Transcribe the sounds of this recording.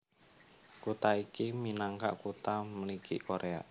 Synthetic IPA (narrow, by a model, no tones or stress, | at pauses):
kut̪aikiminaŋka̰ʔkut̪amənikḭʔkoɾʔea̰